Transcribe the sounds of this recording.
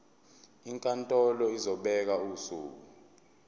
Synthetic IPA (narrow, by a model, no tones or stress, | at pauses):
iŋkʼantʼɔlɔizɔɓɛk̬auːsuːk̬u